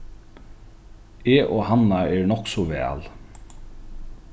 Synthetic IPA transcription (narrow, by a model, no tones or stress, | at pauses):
eːʔoːhanːaɛɹnɔksɔʋɛ̰ːl